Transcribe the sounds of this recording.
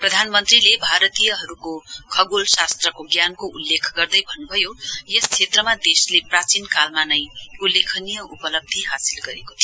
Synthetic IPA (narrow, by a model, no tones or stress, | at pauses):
prʌd̪ʱanmʌnt̪rilebʱaɾʌt̪ijʌɦʌɾukokʰʌɡolsast̪rʌkoɡjankoulːekʰɡʌrd̪ʌjbʱʌnːubʱʌjojest͡sʰet̪rʌmad̪esleprat͡sinkalmanʌjulːekʰʌnijʌupʌlʌb̚d̪ʱiɦasilɡʌɾeko̥t̪ʰi